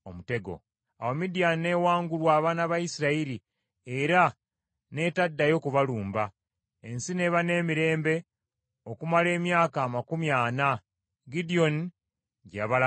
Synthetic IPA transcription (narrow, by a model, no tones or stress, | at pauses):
omute̞ɡo̞̰ | awemidijane̞ːwaːŋɡulwaːβanaβajisiɾaiɾi | e̞ɾa | ne̞ːtadːajo̞kuβaluːmba | ensine̞βane̞ːmiɾe̞ːmbe̞ | o̞kumale̞ːmjaːkaːmakumjaːna | ɡidio̞ni | ɟaβala